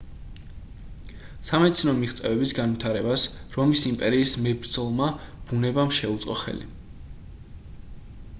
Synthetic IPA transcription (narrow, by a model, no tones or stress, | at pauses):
samɛt̪sʰnɔmiʁt̪sʼɛ̰vɛbisɡanvit̪ʰaɾɛbasɾɔmisimpʼɛɾiːsmɛbɾd̪zɔlˠmab̥unɛbamʃɛut̪sʼɔ̰χɛ̰lḭ